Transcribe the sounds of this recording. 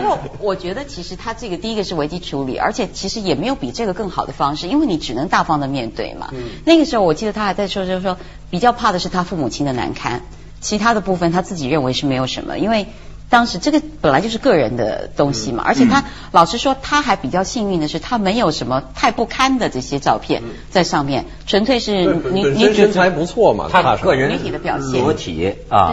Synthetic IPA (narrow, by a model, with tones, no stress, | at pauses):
ɔ˥˩wɔ˨˩t͡ɕɥɛ˧˥d̪ə˧t͡ɕʰi˧˥ʂɻ̩˧˥t̪ʰa˥ʈ͡ʂɤ˥˩ɡə˩t̪i˥˩i˥ɡə˧ʂɻ̩˥˩we˧˥ɪt͡ɕi˥ʈ͡ʂʰu˧˥lḭ˨˩ə̰˞˧˥t͡ɕʰjɛ˨˩t͡ɕʰi˧˥ʂɻ̩˧˥jɛ˨˩me˧˥jo˨˧˥ʊpi˨˩ʈ͡ʂɤ˥˩ɡə˩kɤ˥˩ŋxɑ˨˩ʊd̪ə˦fɑ˥ŋʂɻ̩˥˩i˥nwe˥˩ɪni˧˥ʈ͡ʂɻ̩˨˩nɤ˧˥ŋt̪a˥˩fɑ˥ŋd̪ə˨mjɛ˥˧nt̪wḛ˥˩ɪmɐ̰˩na˥˩ɡə˩ʂɻ̩˧˥xo˥˧wɔ˨˩t͡ɕi˥˩d̪ə˩t̪ʰa˥xa˧˥ɪt͡sa˥˩ɪʂwɔ˥ɔ˥ʂwɔ˥ | pi˨˩t͡ɕjɑ˥˧ʊpʰa˥˩d̪ə˩ʂɻ̩˥˩t̪ʰa˥fu˥˩mu˨˩t͡ɕʰi˥ŋd̪ə˨na̰˧˥nkʰa̰˥n | t͡ɕʰi˧˥t̪ʰa˥d̪ə˨pu˥˩fə˨˩nt̪ʰa˥t͡sɹ̩˥˩t͡ɕi˨˩ɻə˥˩nwe˧˥ɪʂɻ̩˥˩me˧˥ɪjo˨˩ʂə̰˧˥nmə̰˧i˥nwe˥˩ɪ | t̪ɑ˥ŋʂɻ̩˧˥ʈ͡ʂɤ˥˩ɡə˩pə˨˩nla˧˥t͡ɕjo˥˧ʊʂɻ̩˥˧kɤ˥˩ɻə˧˥nd̪ə̰˧t̪ʊ˥ŋɕi˨mɐ̰˩ʔə̰˞˧˥t͡ɕʰjɛ˨˩t̪ʰa˥ | lɑ˨˩ʊʂɻ̩˥ʂwɔ˥t̪ʰa˥xa˧˥ɪpi˨˩t͡ɕjɑ˥˧ʊɕi˥˧ŋi˥˩nd̪ə˩ʂɻ̩˥˩t̪ʰa˥me˧˥ɪjo˨˩ʊʂə˧˥nmə˧t̪ʰa˥˧ɪpu˥˩kʰa˥nd̪ə˨ʈ͡ʂɤ˥˩ɕjɛ˥ʈ͡ʂɑ˥˧ʊpʰjɛ̰˥˧n | t͡sa˥˧ɪʂɑ˥˧ŋmjɛ̰˥˩n | ʈ͡ʂʰwə˧˥nt̪ʰwe˥˧ɪʂɻ̩˥˩ny˧˥ni˧˥i˧˥a˧˥ɪpu˧˥t͡sʰwɔ˥˩mɐ̰˩t̪ʰa˥˧˩ɤ˥˩ɻə˧˥ny˧˥t̪ʰi˨˩d̪ə˦pjɑ̰˨˩ʊɕjɛ˥˧˥t̪ʰḭ˨˩˦